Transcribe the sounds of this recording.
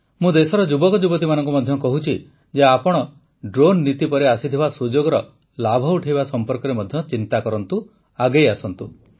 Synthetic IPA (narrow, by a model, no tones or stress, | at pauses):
mũd̪esɔɾɔd͡ʒubɔkɔd͡ʒubɔt̪̬imanɔŋkumɔd̪ʱjɔkɔɦut͡ʃʰi | d͡ʒeapɔɽ̃ɔ | ɖɾonːit̪ipɔɾeasit̪ʰibasud͡ʒoɡɔɾɔ | labʱɔuʈʰibasɔmpɔɾkɔɾemɔd̪ʱjɔt͡ʃint̪akɔɾɔnt̪u | aɡejasɔnt̪u